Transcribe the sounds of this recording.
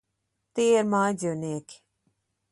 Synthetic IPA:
t̪eːɾmaːd͡ʒonek

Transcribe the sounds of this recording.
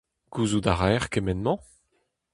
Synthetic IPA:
ɡ̥uːzudaʁɛʁkemɛnmɑ̃

